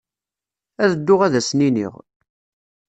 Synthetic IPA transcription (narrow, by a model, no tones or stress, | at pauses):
æðəd̪ːʊʁæðæsninḭʁ